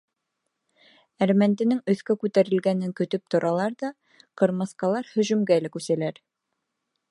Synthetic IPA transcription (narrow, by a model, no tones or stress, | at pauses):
æɾmænt̪ɘ̆nɘŋɵ̆θkækʉt̪æɾɘ̆lɡænɘŋkɵ̆t̪ɵp̚t̪ŏɾʔɑlˠɑɾðɑ | qɤ̆ɾmɤ̆sqɑlˠɑɾhɵ̆ʒɵ̆mɡælækʉsælæɾ